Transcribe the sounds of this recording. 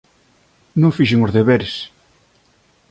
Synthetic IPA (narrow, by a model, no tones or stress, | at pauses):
nõŋfiʃeŋozðeβeɾes